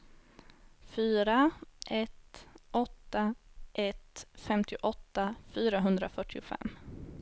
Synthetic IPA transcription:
fyːɾaʔɛt̪ʔɔt̪ːaʔɛt̪fɛmt̪ʰɪʔɔt̪ːafyːɾaɦɵnd̪ɾafœʈʰːɪʊfɛ̰mː

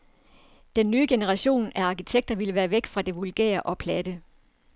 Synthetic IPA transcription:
d̥enːyːəɡ̥e̝nəʁɑ̈ɕo̝̰ːnæɑ̈kʰit͡sʰeɡ̥̚d̥ɐʋiləʋæːɐʋeɡ̥fʁɑ̈d̥e̝ʋulɡ̥ḛːɐʔɒ̽pʰlæd̥ə

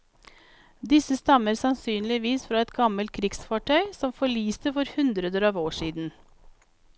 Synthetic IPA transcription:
d̪ɪsəst̪ɑməɾsɑnsyːnlɪʋiːsfɾɑːɛt̪ɡɑməlt̪̚kʰɾɪɡsfɑːʈʰœʏsɔmfɔɭiːst̪əfɔɾhʉnd̪ɾəd̪əɾɑːʋoːʂiːd̪n̩

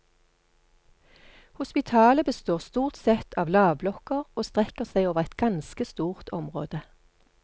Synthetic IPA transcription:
hʊspɪt̪ʰɑːləbəst̪oːʁst̪uːʁt̪sɛt̪ʰɑːʋlɑːʋblɔkəʁoːst̪ʁɛkəʁsæɪoːʋəʁɛt̪̚ɡ̥ɑnskəst̪uːʁt̪ʰɔmʁo̰ːd̪ə

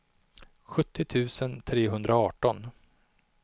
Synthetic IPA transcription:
ɧɵt̪ʰːɪt̪ʰʉ̟ːsənt̪ʰɾeːɦɵnd̪ɾaɑːʈɔn

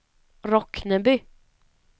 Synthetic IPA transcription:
ɾɔknəbʏ

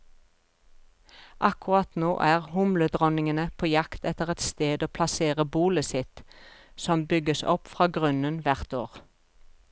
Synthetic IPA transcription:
ʔɑkʊʁɑt̪noːʔæːʁhʊmləd̪ʁɔnɪŋənəpʰoːjɑkt̪ɛt̪əʁɛt̪st̪eːd̪oːpʰlɑseːʁəbuːləsɪt̪sɔmbʏɡəsɔ̰pfʁɑːɡʁʉnənʋæʁt̪oːʁ

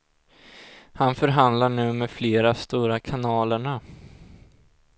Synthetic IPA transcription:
hanfœɾɦand̪laɳʉ̟ːmɛfleːɾast̪uːɾakʰanɑːləɳa

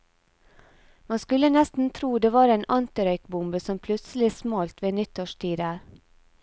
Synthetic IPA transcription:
mɑnskʉlənɛst̪n̩t̪ʰɾuːd̪eːʋɑːɾeːnʔɑnt̪ɪɾœʏkbʊmbəsɔmpʰlʉt̪səlɪsmɑːlt̪ʋeːnɪt̪oːʃtʰiːd̪æːɾ

